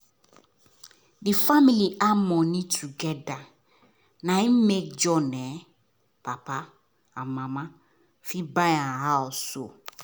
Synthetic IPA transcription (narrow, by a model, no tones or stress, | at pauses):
difamiliʔamɔ̃nĩtʰuɡɛda | nãĩmek̚d͡ʒɔnɛ | papa | ãmãmã | fibãjãɦaɔso